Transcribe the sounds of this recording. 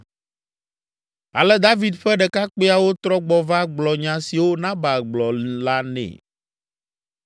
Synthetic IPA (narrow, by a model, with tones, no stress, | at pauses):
a̰˨lɛ˦d̪a˦vi˨d̪ɸɛ˦ɖɛ˨ka˦k͡pe˦a˨wo˦t̪ɾɔ˦ɡ͡bɔ˨va˦ɡ͡blɔ˨ɲã˨si˨wo˦nã˦ba˨ɡ͡blɔ˨la˦nɛ̰̃˨